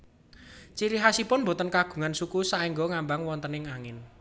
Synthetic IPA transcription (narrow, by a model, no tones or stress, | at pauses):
t͡ʃiɾiɦasipʊnmbo̤t̪ənkaɡ̥ṳŋansukusaʔiŋɡɔŋambaŋwɔnt̪ənɪŋaŋɪn